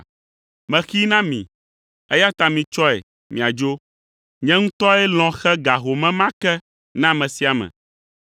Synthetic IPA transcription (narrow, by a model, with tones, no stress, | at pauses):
mɛ̃˨xi˦nã˦mḭ̃˨ | ɛ˦ja˦t̪a˨mĩ˨t͡ʃɔ˦ɛ̰˨ | mĩ˨a˨d͡ʒo˦ | ɲɛ̃˦ŋũ˦t̪ɔ˦ɛ˦l̃ɔ̃˨xɛ˦ɡa˨ɦo˨mɛ̃˦mã˦kɛ˦ | nã˦mɛ̃˨si˨˦a˨mɛ̰̃˨